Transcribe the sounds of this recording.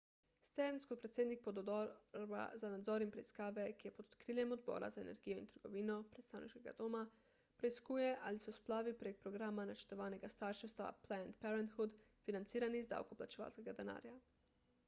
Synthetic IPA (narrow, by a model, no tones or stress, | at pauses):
st̪ɛɾnskɔt̪̚pɾɛt̪seːd̪nik̚pɔd̪ba̰zanad̪zɔːɾinpɾɛiskaːʋɛkijɛpɔd̪ɔ̥t̪kɾiːljɛmɔd̪bɔ̰ːɾa̰zaḛnɛ̰ɾɡijɔḭnt̪əɾɡɔʋiːnɔpɾɛt̪st̪aːwnḭʃkɛɡa̰d̪oːma | pɾɛiskuːjɛʔalisɔsplaːʋipɾek̚pɾɔɡɾaːmanat͡ʃəɾt̪ɔʋaːnɛɡast̪aɾʃɛwst̪ʋa̰plaɛnt̪̚pɛɾɛnt̪xud̪finant̪siːɾanizd̪a̰ːwkɔplat͡ʃɛʋa̰ːlskɛɡad̪ɛna̰ːɾja